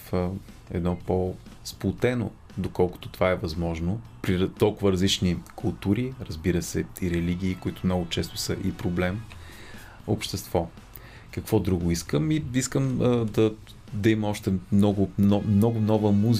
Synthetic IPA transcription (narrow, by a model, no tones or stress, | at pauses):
fə | ɛ̰d̪nɔpo | splˠʊt̪ɛno̰ | d̪okɔlˠkʊ̥t̪ʊ̥t̪ovaɛvɐzmɔʒnopɾit̪ɔlˠkʊvəɾɐzlit͡ʃnikʰʊlˠt̪uɾiɾəzbiɾəsɛiɾɛliɡʲiːkoit̪ʊmnɔɡʊt͡ʃɛst̪ʊ̥səʔipɾoblɛm | opʃt̪ɛst̪vɔ | kɐkvɔd̪ɾuɡʊiskəmiiskəmd̪ɐ | d̪ɐimɛɔʃt̪ɛmnɔɡʊnɔmnɔɡʊnɔvəmuz